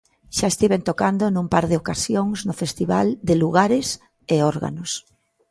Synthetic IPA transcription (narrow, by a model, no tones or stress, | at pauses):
ʃaest̪iβent̪okand̪onumpaɾðɪokasjoŋznʊfest̪iβa̰ld̪ɪluɣaɾɪs | eoɾɣa̰nʊs